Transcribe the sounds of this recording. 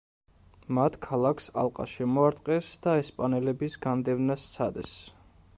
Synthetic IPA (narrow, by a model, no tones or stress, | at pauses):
mat̪ʰkʰalˠakʰsa̰lˠqʼa̰ʃɛmɔaɾt̪ʼqʼɛsd̪̥aɛspʼanɛlɛbisɡand̪ɛvnast̪sʰad̪ɛs